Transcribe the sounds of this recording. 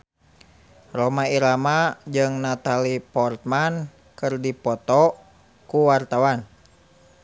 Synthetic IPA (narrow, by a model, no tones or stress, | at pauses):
romaiɾamad͡ʒɨŋnat̪alipɔrt̪̚man | kɨrdipɔt̪ɔ | kuwart̪awan